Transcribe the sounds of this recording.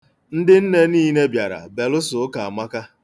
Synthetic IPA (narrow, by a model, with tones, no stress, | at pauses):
n̩˦dɪ˦n̩˦ne˦niː˦ne˦bja˨ɾa̰˨be˨lʊ˦sʊ˨˦ka˨a˨ma˦ka˦